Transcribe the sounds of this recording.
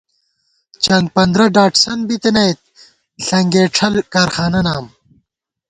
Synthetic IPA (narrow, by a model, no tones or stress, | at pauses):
t͡ɕɐŋɡ̚pɐnd̪ɾɐɖaːʈsɐnbit̪enɐjt̪̚ | ɬɐŋɡeːʈ͡ʂʰɐlkaːɾxaːnɐnaːm